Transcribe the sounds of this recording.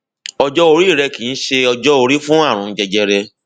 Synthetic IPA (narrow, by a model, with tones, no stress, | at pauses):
ɔ˧d͡ʒɔ˦o˧ɾi˦˨ɾɛ˧kĩ˨˦ʃe˧ɔ˧d͡ʒɔ˦o˧ɾi˦fũ˦a˦˨ɾ̃ũ˨˧n̩˦d͡ʒɛ˧d͡ʒɛ˧ɾɛ˧